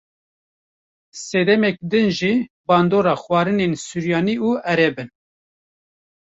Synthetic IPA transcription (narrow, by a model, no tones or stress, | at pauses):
sɛd̪ɛmɛk̚d̪ɨnʒiː | bɑːnd̪oːɾɑːxwɑːɾɨnensuɾjɑːniuːɛɾɛbɨn